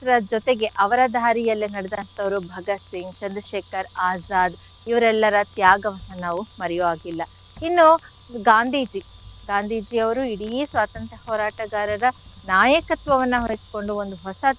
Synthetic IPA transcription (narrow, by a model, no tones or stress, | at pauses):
ɾɐd͡ʒɔt̪eɡe̞ʔɐʋɐɾɐd̪ʱaːɾijɐlːinɐɽɛd̪ant̪ɐʋɐɾubʱɐɡɐsiŋɡt͡ʃɐnd̪ɐʃeːkɐɾaːd͡ʒaːd̪ | iʋɐɾɛlːɐɾɐt̪jaːɡɐʋɐnːɐnaːʋumɐɾɛjoʋaːɡilːɐ | inːu | ɡaːnd̪ʱiːd͡ʒi | ɡaːnd̪ʱiːd͡ʒiɐʋɐɾuiɽisʋaːt̪ɐnt̪ɾɐhɔːɾaːʈɐɡaːɾɐɾɐnaːjɐkɐt̪ʋɐʋɐnːɐɦojisko̞ɳɖuond̪uɦɔsɐ